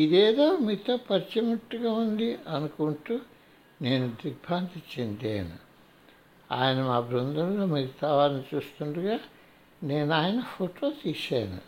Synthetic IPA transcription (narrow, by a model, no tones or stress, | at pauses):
id̪eːd̪oːmit̪ɐpɐɾt͡ʃɐmuʈːuɡaːund̪iʔɐnukuɳʈuː | neːnud̪ɾiɡ̚bʱaːnt̪it͡ʃːend̪ḛːnṵ | a̰ːjɐnɐmaːbɾund̪ʱɐnloːmɐɾit̪aːʋaːɾɐnit͡ʃuːst̪uɳɖuɡaː | ne̞ːnaːjɐnɐfʰoʈʰoːt̪iːʃaːnṵ